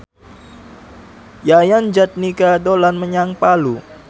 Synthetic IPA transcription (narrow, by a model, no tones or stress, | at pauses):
jajand͡ʒat̪̚nikadolanməɲaŋpalu